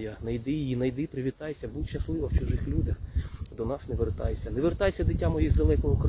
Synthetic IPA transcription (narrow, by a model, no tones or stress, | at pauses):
janɐjd̪ɪjjinɐjd̪ɪpɾɪʋʲit̪ɑjesʲɐbut̪ʲʃɐslˠɪʋɐwt͡ʃʊʒɪxlʲud̪ʲɐxd̪ɔnɑsneʋert̪ɑ̰jesʲɐneʋert̪ɑjesʲɐd̪ɪtʲːamɔjizd̪ɐlˠɛkɔɦɔkɾ